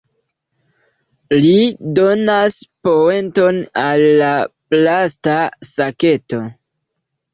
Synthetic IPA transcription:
lido̞naspo̞e̞nto̞nalːaplastasake̞to̞

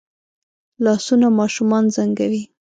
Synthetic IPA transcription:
lɑsunamɑʃumɑnzaŋɡawi

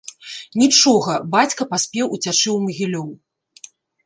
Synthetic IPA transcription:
nʲit͡ʂɔɣɐbat͡sʲkɐpasʲpʲɛwut͡sʲat͡ʂɨwmɐɣʲilʲɔw

